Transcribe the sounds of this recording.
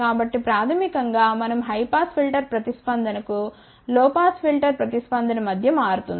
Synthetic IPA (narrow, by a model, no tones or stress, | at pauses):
kaːbɐʈːipɾaːt̪ʰɐmikɐŋɡaːmɐnɐmɦɐjpaːspʰilʈɐɾpɾɐt̪ispɐnd̪ʱɐnɐku | lɔːpaːspʰilʈɐɾpɾɐt̪ispɐnd̪ʱɐnɐmɐd̪ʱjɐmaːɾut̪und̪i